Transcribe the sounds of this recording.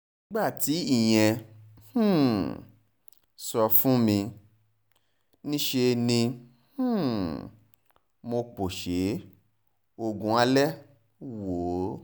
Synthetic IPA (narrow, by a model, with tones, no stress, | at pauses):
nĩ˨˦ɡ͡ba˦˨ti˨˦i˦˨j̃ɛ̃˧h̩˦˨ | sɔ˧fũ˦mĩ˧ | nĩ˦ʃe˧nĩ˧ | h̩˦˨ | mo˧k͡po˨ʃe˨˦ | o˧ɡũ˧˦a˧lɛ˦ | wo˨˦